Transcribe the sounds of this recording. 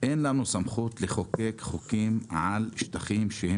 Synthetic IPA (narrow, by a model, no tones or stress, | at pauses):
ʔeːnlanusamχuːt̪leχokekχokiːmʕalʃt̪aχiːmʃehe